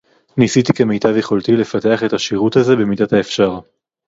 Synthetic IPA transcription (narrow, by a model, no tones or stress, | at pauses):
nisit̪ike̞mejt̪avje̞χo̞lt̪ile̞fate̞aχe̞taʃiʁut̪aze̞be̞midathaefʃaʁ